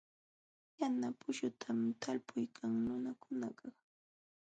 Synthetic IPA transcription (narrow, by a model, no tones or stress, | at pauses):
janapʊʃʊt̪ʰamt̪ʰalpʊjkʰaŋnʊnakʊnaɢɑ